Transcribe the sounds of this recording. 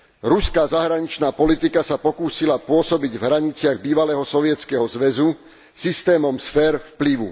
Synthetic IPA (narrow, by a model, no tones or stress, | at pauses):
ɾuskaːzaɦɾaɲit͡ʃnaːpɔlit̪ikasapɔkuːsilapʊɔsɔbiɟvɦɾaɲit͡sɪaɣbiːʋalɛːɦɔsɔʋɪɛt͡skɛɦɔzʋɛzu | sist̪ɛːmɔmsfɛːɾfpliʋṵ